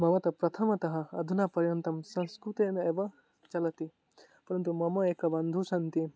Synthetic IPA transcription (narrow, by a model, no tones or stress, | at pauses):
mɐʋɐt̪ɐpɾɐt̪ʰɐmɐt̪ɐɦɐɐd̪ʱunapɐɾjɐnt̪ɐmsɐ̃nskɾut̪eneːʋɐ | t͡ʃɐlɐt̪i | pɐɾɐnt̪umɐmɐeːkɐbɐnd̪ʱusɐnt̪i